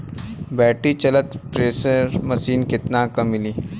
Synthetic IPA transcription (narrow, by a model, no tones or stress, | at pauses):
bɛːʈit͡ʃɐlət̪pɾeːsəɾmɐsiːnkɪt̪nakɐmːɪliː